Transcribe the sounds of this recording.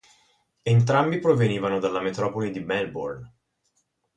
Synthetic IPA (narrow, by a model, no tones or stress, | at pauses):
ent̪̬ɾambipɾoveniːvanod̪alːamet̪ɾɔːpolid̪imɛlbo̰rn